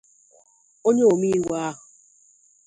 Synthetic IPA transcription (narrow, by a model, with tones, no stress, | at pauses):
o˦ɲe˦o˨mi˦wa˦ɦʊ˨